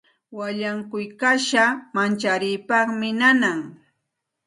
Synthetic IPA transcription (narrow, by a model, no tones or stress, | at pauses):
waʎaŋkʊjkaʃamant͡ʃaɾɪjpɑχmɪnanaŋ